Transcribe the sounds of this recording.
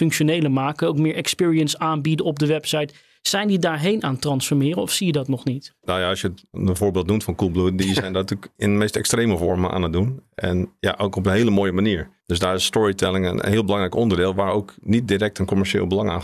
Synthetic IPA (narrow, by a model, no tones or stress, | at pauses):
fɵŋkʃonejləmaːkəowkmɪːɹɛkspɪːɹiənsaːnbidəɔb̚dəʋɛpsɛjt | sɛjndidaːɹɦejnaːntrɑnsfɔɹmɪːɾəɔfsijədɑtnɔχnitnajaɔsjətəvoːɹbeːlˠt̚numtfɔnkulˠbludizɛjndɔtykɪnəmeːstɛkstreːməvɔɹməʔa̰ːnət̚dunʔɛ̰nja̰ʔowkɔpənɦeːləmoːjəmaniːəɹd̥øsdaːɹɪsstɔɹitʰɛlɪŋənə̰nhiəlˠbəlɑŋrɛjkɔndəɹdɪːlˠʋaɹowknit̚dirɛk̚tənkomɛɹʃḛːlˠbəlɑŋa̰ː